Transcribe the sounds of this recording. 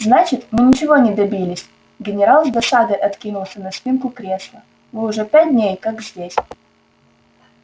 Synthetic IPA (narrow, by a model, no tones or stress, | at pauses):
znat͡ɕɪt̪mɨnʲɪt͡ɕɪvonʲɪd̪ɐbʲilʲɪsʲ | ɡʲɪnʲɪɾalˠzd̪ɐsad̪ɨʔɐt̪kʲinʊlˠsʲənɐspʲinkʊkɾʲe̞slˠə | vɨʊʐɛpʲæt̚ʲdʲnʲejkakzʲdʲesʲ